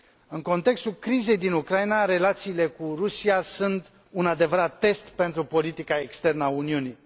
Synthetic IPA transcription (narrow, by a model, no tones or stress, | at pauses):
ɨŋko̞nt̪e̞kst̪ulkɾize̞jd̪inukɾainaɾe̞lat̪siːle̞kurusiasunt̪ | unad̪e̞vəɾat̪ːe̞st̪pe̞nt̪ɾupo̞lit̪ikae̞kst̪e̞rnəauniuni